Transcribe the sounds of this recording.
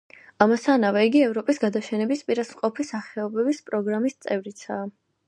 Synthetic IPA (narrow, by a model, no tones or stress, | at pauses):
amasanavɛiɡiɛvɾɔpʼisɡad̪aʃɛnɛbispʼiɾasmqʼɔpʰisaχɛɔbɛbispʼɾɔɡɾamist̪sʼɛvɾit̪sʰaː